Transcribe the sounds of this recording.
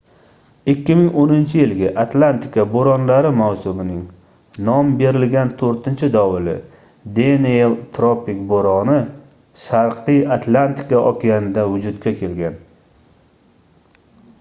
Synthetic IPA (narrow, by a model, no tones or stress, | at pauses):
ɪkʲːɪmɪŋonɪnt͡ʃʰɪjɪlɡʲaʔat̪lant̪ɪ̥kaboɾɒnlaɾɪmawsʊmɪnɪŋ | nɒmbe̞ɾɪlɡʲant̪ʰoɾt̪ʰɪnt͡ʃʰɪd̪ɒwɪlɪ̰ | d̪eneelˠt̪ʰɾopɪkboɾɒnɪ | ʃaɾqʰɨjat̪ʰlˠant̪ɪ̥kaʔɒkʲɪanɪd̪avʊd͡ʒʊd̪kʲʰakʲʰe̞lɡʲan